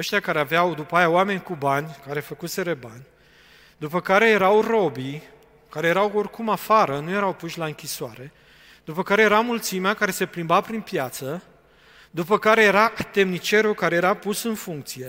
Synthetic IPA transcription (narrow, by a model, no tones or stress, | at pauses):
əʃt̪jakaɾeaveawd̪upajaowame̞nʲkubanʲkaɾe̞fəkuse̞ɾebanʲ | d̪upəkaɾe̞je̞ɾawro̞bi | kaɾe̞jeɾawo̞rkumafaɾənuje̞ɾawpuʃʲlaɨŋkʲisoaɾe̞ | d̪̥upəkaɾe̞jeɾamult̪simeakaɾe̞se̞plimbapɾinpjat̪sə | d̪upəkaɾe̞je̞ɾaʔt̪e̞mnit͡ʃe̞ɾukaɾe̞jeɾapusɨnfuŋk̚t̪sije̞